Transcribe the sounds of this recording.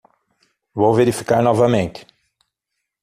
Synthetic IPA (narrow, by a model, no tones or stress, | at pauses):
vowveɾifi̥kaɾnɔvɐmẽnt̪ɪ̥